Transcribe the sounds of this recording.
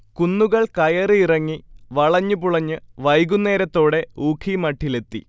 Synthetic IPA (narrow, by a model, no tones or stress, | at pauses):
kunːuɣɐɭkɐjɐrɨirɐŋːiʋɐɭɐɲːɨpuɭɐɲːɨʋɐjɡunːe̞ːɾɐt̪ːo̞ːɽe̞uːkʰimɐʈʰːile̞t̪ːḭ